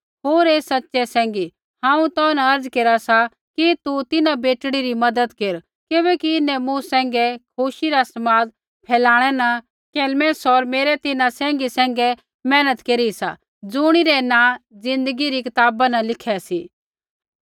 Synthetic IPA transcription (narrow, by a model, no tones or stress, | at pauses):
ɦoːɾeːsɐtːʃɛsɛ̃ːŋɡi | hãːũt̪ɔnaɐɾd͡zkeːɾasa | kit̪ut̪ɪnabeːʈɽ̃iɾimɐd̪əd̪keːɾ | kɪbɛkiɪnɛ̃mũsɛ̃ːŋɡɛkʰʊʃiɾasɐmaːd̪ | pʰɛːlaːɽ̃ɛnɐ | keːlmɛ̃ːsɔɾmeːɾɛt̪ɪnasɛ̃ːŋɡisɛ̃ːŋɡɛ | mɛ̃ːnət̪keːɾisa̰ | d͡zʊːɽ̃iɾɛnãd͡zɪ̃nd̪əɡiɾikɪt̪aːbanɐlɪkʰɛsiː